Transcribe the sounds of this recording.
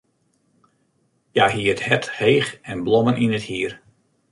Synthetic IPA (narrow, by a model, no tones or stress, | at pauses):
jahiəəthɛthejχɛnblɔmənʔinəthiːər